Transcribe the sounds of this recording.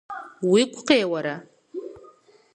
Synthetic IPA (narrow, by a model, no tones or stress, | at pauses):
wikʷʼʰqeːwaɾa